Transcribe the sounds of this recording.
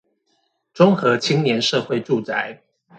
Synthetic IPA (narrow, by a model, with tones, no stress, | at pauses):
ʈ͡ʂʊ˥ŋxɤ˨˦t͡ɕʰi˥ŋnjɛ˨˦nʂɤ˥˧xwe˥˨ɪʈ͡ʂu˥˨˩t͡sa˨˩ɪ